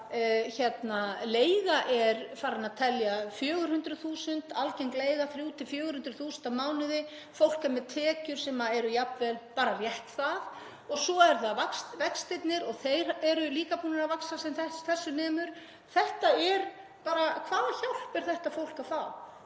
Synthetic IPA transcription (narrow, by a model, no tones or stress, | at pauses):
çɛt̪naleːjɣaʔɛɾfaːɾɪnaðt̪ʰɛljafjœːɣʏɾ̥hʏnt̪ɾʏθuːsʏnt̪alcejŋkleːjɣaθɾjuːt̪ʰɪfjœːɣʏɾhʏnt̪ɾʏθuːsʏnt̪amaːwnɪðɪ | fowl̥kamɛðt̪ʰɛːcʏɾ̥sɛmaɛɾʏjapvɛlpaːɾarjɛht̪θað | ɔɣsɔɛɾθaðvakst̪vɛkst̪ɪjt̪nɪɾɔɣθejɾɛɾʏliːkapuːnaɾavaksasɛmθɛθɛsːʏnɛːmʏɾ̥ | θɛht̪aɛɾ | paːɾakʰvaːðaçawl̥pɪɾ̥θɛht̪afowl̥kafaw